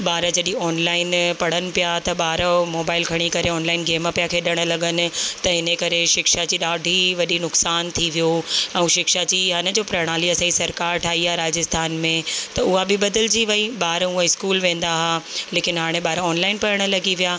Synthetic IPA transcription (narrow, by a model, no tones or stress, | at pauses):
ɓaːɾəd͡ʑɐɗĩɔːnlaːɪnpɐɽ̤ənɪ̆pijat̪ɐɓaːɾəmoːbaːɪlkʰɐɽ̃ikɐɾeɔːnlaːɪnɡeːmapijakʰeːɗɪɽ̃ə̆lɐɡənɪ̆t̪ɐɦɪnẽkɐɾeʃɪkʃad͡ʑiːɗaːɖʱiʋɐɗinʊksaːnt̪ʰiʋijoɛ̃ːʃɪkʃad͡ʑiɦaːnə̆d͡ʑoːpɾɐɽ̃aːliɐsaːisɐɾkaːɾʈʰaːɦiaːɾaːd͡ʑɪst̪ʰaːnmẽt̪ɐʊɦabɪɓɐd̪əld͡ʑiʋɐiɓaːɾʊɦãɪskuːlʋẽːn̆d̪aɦaleːkɪnɦaːɽ̃ẽɓaːɾɔːnlaːɪnpɐɾəɽ̃̆lɐɡiʋijaː